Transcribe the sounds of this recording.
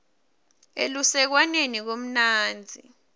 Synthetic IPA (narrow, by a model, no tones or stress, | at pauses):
ḛlusɛk̬wanenik̬om̩naːnd͡zʱḭ